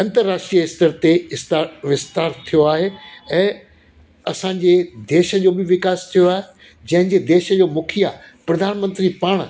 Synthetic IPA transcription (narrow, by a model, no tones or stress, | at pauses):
ɐ̃nt̪əɾːaːʃʈɾijəɪst̪əɾt̪eɪst̪ːʋɪst̪aːɾt̪ʰijoaːɦeɛ̃ː | ɐsãɲd͡ʑed̪eːʃə̆d͡ʑoːbɪʋɪkaːst̪ʰijoaːɦe | d͡ʑɐ̃ɦɪ̃ɲd͡ʑed̪eːʃəd͡ʑoːmʊkʰija | pɾɐd̪ʱaːnmə̃nt̪ɾipaːɽ̃